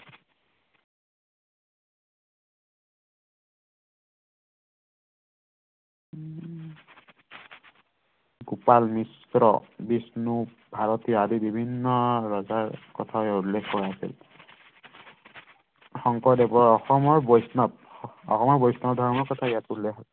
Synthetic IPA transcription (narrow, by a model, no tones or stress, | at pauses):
ɡupalmis | ɹɔ̰bisnu | bʱaɹɔtiɔadibibʱinːɔɹɔzaɹkɔtʰajɔulːekʰkɔɹaasḭl | xɔŋkɔdɛbɔɔxɔmɔɹbɔjsnɔp̚ | ɔ̰xɔmɔɹbɔjsnɔdʱɔɹmɔɹkɔtʰaijatulːekʰɔ